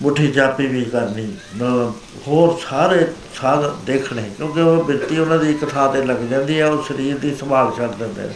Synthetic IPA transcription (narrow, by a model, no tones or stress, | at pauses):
mʊʈʰiːt͡ʃaːpiːʋiːkəɾniː | hoːɾsaːɾeː | saːld̪eːkʰɳeːkjõːkeobɪɾt̪iːʊnãːd̪iːkət̪ʰaːt̪eːləɡd͡ʒãːnd̪iːɛːoːʃəɾiːɾd̪iːsəmaːlt͡ʃʰəɽd͡ʒɛ̃ːnd̪a̰ː